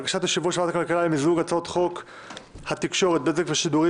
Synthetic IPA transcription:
ɡaʃat̪haʃivuʃeat̪akalkalaimizuɡat͡sot̪χo̞k | hat̪ikʃo̞ʁet̪̚bezekveʃid̪uʁi

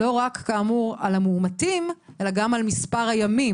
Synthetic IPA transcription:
o̞ʁakːaːmuʁalamuːmatimʔe̞laɡamalmispaʁhajami

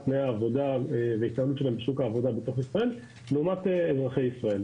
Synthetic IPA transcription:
pnejaːvo̞d̪aveit̪alut͡ʃʃelambeʃukaːvo̞d̪abet̪o̞χisʁae̞l | leumat̪eezʁaχe̞jisʁae̞l

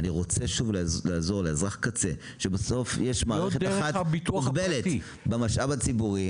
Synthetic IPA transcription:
aniʁo̞t͡se̞ʃuvllaːzo̞ʁleezʁaχkat͡se̞ | ʃebeso̞fjeʃmaːoeχetdaχat̪bit̪uukbelet | bemaʃʔabat͡sibuʁi

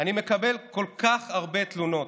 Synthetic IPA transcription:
anime̞kabe̞lko̞lkaχaʁbe̞t̪luno̞t

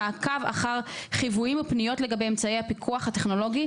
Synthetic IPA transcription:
kava̰χaʁχivujimupnijo̞tle̞ɡabejemt͡saejhapikʰuaχhate̞χno̞lo̞ɡi

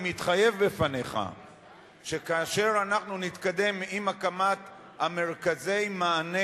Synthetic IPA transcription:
mit̪χaje̞vbefane̞χa̰ | ʃe̞kaːʃe̞ʁanaχnunit̪kad̪e̞mimakamat̪ | hame̞ʁkaze̞jmaːne

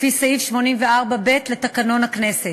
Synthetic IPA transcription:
fisaifʃmo̞nimveaʁbabe̞tle̞takano̞nakne̞set

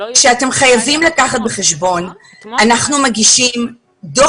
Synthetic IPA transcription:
ʃeate̞mχajavimlakaχat̪̚beχeʃbo̞n | anaχnumaɡiʃim | do

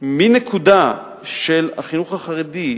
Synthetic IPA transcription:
minekʰuda | ʃe̞lha̰χinuχaχaʁidi

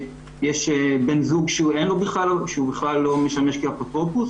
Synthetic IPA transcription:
jeʃebenzuɡʃeuenlobiχlaloʃeubiχlalːo̞meʃameʃkiapot̪opus

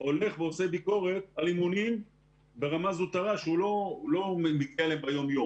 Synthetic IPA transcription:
o̞le̞χveose̞biko̞ʁe̞t̪̚alimunim | be̞ʁamazut̪aʁaʃeulolo̞memiɡialeembajo̞mjom

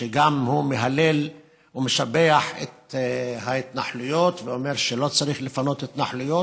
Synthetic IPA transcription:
ʃeɡamhumeɦale̞l | umeʃabeaħḛt̪hait̪naħlujot̪veomeʁʃelo̞t͡saʁiχlefano̞t̪et̪naħlujo

